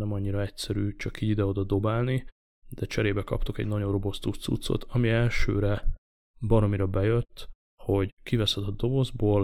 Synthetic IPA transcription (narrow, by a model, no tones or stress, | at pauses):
nɛmɒɲːiɾɒɛcsɛɾyːt͡ʃɒkiɟid̪ɛo̞d̪ɒd̪o̞baːlni | d̪̥ɛt͡ʃɛɾeːbɛkɒ̰pt̪okɛ̰ɟnɒɟo̞nro̞bo̞st̪ut̪sṵt̪so̞̰t̪ʰɒmiɛlʃø̰ːɾɛ | bɒɾo̞miɾɒbɛjøt̪ː | ho̞ɟkivɛsɛd̪ɛd̪ːo̞bo̞zboːl